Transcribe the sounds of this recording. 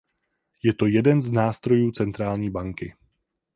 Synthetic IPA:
jɛt̪o̞jɛdɛnznaːst̪ɾo̞juːt͡sɛnt̪ɾaːlɲiːbaŋkɪ

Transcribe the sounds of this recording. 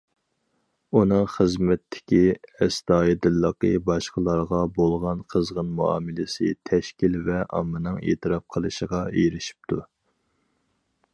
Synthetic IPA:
unɨŋχəzmɛt̪ʰːɪ̥kʲiɛst̪ɑːjid̪ɨlˠːəqəbɑʃqəlˠɑɾʁɑbolˠʁɑnqʰəzʁənmuɑ̰ːmɪlɪsɪ̰t̪ʰɛʃkʲilvɛʔɑ̰mːɨnɨŋḛːt̪ʰɨɾɑp̚qʰəlˠɨʃəʁɑejɾɪʃi̥p̚t̪ʰu

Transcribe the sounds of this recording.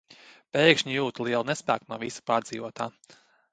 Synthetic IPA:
pɛjkʃɲijuːt̪lˠiɛlˠunɛspæ̰ːknuɔvisu̥paːɾd̪zḭːʋuɔt̪aː

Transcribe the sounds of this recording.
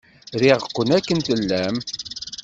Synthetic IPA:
ðiʁəqːənækːənθəlːæm

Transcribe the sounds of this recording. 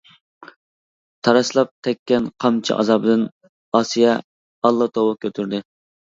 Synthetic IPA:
t̪ʰɑɾɑslˠɑp̚t̪ʰɛkʲːɛnqʰɑmt͡ʃʰḭʔɑ̰zɑbɨd̪ɪn | ɑːsijɛ | ɑlˠːɑt̪ʰowɨkʲʰøt̪ʰyɾd̪ɪ

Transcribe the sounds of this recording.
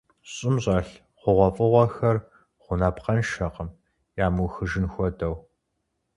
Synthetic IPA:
ɕʼɪmɕʼaːɬ | qʷʊʁʷɔfʼɨʁʷɔxɐr | χʷʊnaːpqɐnʃɐqəm | jaːmuwxɨʒɨnxʷɔdɐw

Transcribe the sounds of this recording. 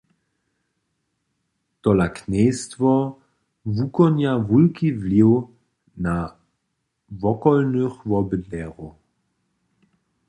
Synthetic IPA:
t̪ɔlaknɛjstvɔ | vukɔnjavulkivliw | na | vɔkɔlnøxvɔbədnɛːʁu

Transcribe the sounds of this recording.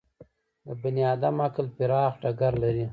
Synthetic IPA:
d̪əbɪnjɑːd̪amaklpiɾɑːxʈaɡaɾlaɾi

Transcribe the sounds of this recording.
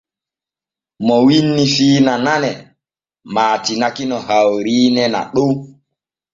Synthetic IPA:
mɔwinːifiːnananɛ | maːtinakinɔhawɾiːnɛna̰ɗo

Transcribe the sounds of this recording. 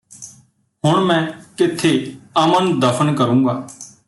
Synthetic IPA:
ɦʊɳmɛ̃ːkɪt̪ʰeəmənd̪əpʰənkəɾũːɡaː

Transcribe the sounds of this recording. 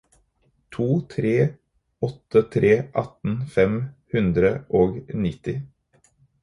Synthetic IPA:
t̪ʰuːt̪ʰɾeː | ɔt̪ət̪ʰɾʔeːʔɑt̪n̩fɛmhʉnd̪ɾəʔoːɡnɪt̪ɪ

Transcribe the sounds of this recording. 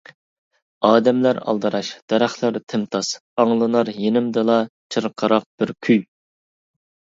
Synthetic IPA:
ɑːd̪ɛmlæɾɑ̰lˠd̪ɨɾɑʃd̪̥ɛɾæχlˠəɾt̪ʰɪmt̪ʰɑsɑŋlˠɨnɑɾjenɪmd̪ɨlˠɑt͡ʃʰɨɾqʰəɾɑq̚b̥ɪɾkʲʰyj

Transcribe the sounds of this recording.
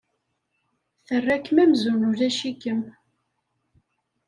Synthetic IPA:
θərːækːmæmzunʊɾæʃikəm

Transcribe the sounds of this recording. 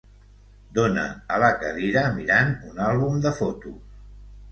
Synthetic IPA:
d̪onə̰ələkəðiɾəmiɾanunalˠβumd̪əfot̪u

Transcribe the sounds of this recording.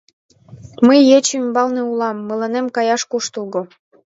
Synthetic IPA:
məjːet͡ɕymbɑlneulɑmːələnemkɑjɑʃkuʃt̪ulˠɣo

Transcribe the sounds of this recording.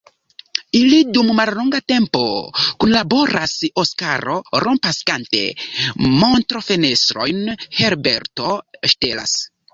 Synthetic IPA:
ilidumːalloŋɡate̞mpokunlabo̞ɾʔasoska̰ɾo̞̰ɾʔompaskante̞̰montɾofenestɾo̞̰jnheɾbeɾto̞ʃtela̰s

